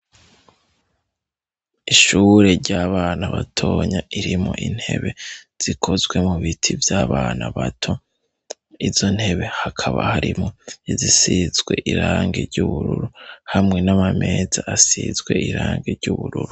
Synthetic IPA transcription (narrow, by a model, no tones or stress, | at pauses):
iʃuːɾe̞ɾɟaːβaːnaβatʰo̞ːɲaiɾimŋo̞̰ʔin̥he̞̰βe̞z̥ikʰo̞zɡwe̞muβitʰivjaːβaːnaβatʰo | izo̞n̥he̞βe̞hakʰaβa̰haɾimŋo̞izisizɡwe̞ʔiɾaːŋɡeɾɟuβuɾuɾuhamŋe̞namamezaʔasizɡwe̞ʔiɾaːŋɡeɾɟuβuɾuɾu